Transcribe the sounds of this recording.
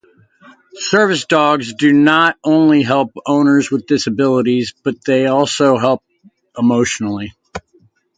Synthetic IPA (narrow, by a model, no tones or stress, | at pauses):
sɜ˞vɨsd̥ɔɡzdɨnəɾõʊ̃nliɦɛlˠpõʊ̃nə˞zwəðdɪsɨbɪlˠəɾizb̥ʌt̪̚ðeɪɔlˠsoʊɦɛlˠp̚ | ʔəmoʊʃn̩l̩ˠi